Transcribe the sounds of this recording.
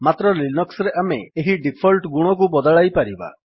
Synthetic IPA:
mat̪ɾɔlinɔksɾeʔameeɦiɖipʰɔlʈɡuɽ̃ɔk̬ubɔd̪aɭajpaɾiba̰

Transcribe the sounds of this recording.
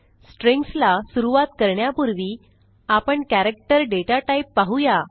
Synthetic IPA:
sʈɾẽŋkslasuɾuʋat̪kəɾɳjapuɾʋiː | apəɳkæɾek̚ʈəɾɖeʈaʈaipːaɦuja

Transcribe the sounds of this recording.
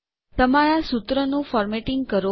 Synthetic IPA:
t̪əmaɾasut̪ɾənũfɔɾmeʈɪŋɡkəɾo

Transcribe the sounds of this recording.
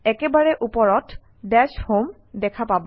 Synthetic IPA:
ɛkɛbaɹɛʔupɔɹɔt | dɛshom | dɛkʰapabɔ

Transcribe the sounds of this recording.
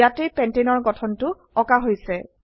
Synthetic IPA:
atepɛntenɔɹɡɔtʰɔntʊ | ɔkaɦojsɛ

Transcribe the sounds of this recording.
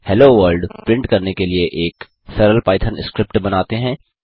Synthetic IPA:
hɛloʋəɾlɖpɾɪ̃ɳʈkɐɾnekelieʔeːk | sɛɾəlpaːɪt̪ʰənɪskɾɪp̚ʈbɐnaːt̪eɦɛ̃ː

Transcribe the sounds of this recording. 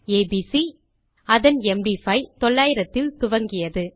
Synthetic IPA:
eːbisi | ɐðɐnɛmɖifɐɪt̪ɔɭːaːjɪɾɐt̪ːɪlt̪ʊʋɐŋɡɪjɐðɯ

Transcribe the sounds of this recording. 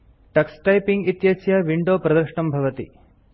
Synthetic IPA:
ʈɐksʈɐjpiŋɡit̪jɐsjɐʋiɳɖoːpɾɐd̪ɐɾʃɳɐmbʱɐʋɐt̪ḭ

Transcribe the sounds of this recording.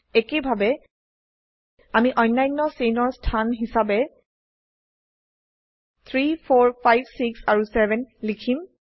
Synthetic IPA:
ekebʱabɛ | amiʔɔjnːajnːɔsenɔɹstʰanɦisabɛ | t̪ʰɹipʰɔɹpʰajbsiksaɹusɛvɛnlikʰim

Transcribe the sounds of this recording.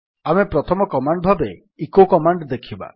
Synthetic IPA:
amepɾɔt̪ʰɔmɔkɔmaɳɖɔbʱabe | ikokɔmaɳɖd̪ekʰiba̰

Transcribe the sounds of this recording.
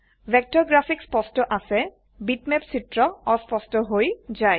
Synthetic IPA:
bʱɛk̚tɔɹɡɹafʰikspɔstɔʔasɛ | bitmɛpsitɹɔɔspɔstɔɦojzaj

